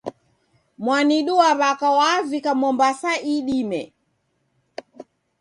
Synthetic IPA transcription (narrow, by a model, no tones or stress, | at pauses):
mwaniɗuaβakawavikamɔmbasaʔiɗimɛ̰